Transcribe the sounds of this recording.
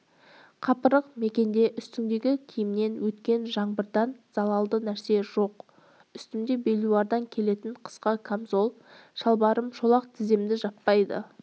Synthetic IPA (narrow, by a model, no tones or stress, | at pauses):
qʰɑpəɾəqme̞kʲe̞nd̪e̞ʔʏst̪ɪmd̪e̞ɡʲɪkʲʰijɪmne̞nwɵt̪kʲe̞nʒɑɴbəɾd̪ɑnz̥ɑlˠɑlˠd̪ənæɾse̞ʒo̞q | ʏst̪ɪmd̪ebe̞lʲuwɑɾd̪ɑŋkʲʰe̞le̞t̪ɪɴqʰə̥sqɑkʰamzo̞lˠ | ʃɑlˠbɑɾəmʃo̞lˠɑqt̪ʰɪzemd̪ɪʒɑp̪ːɑjd̪ə̰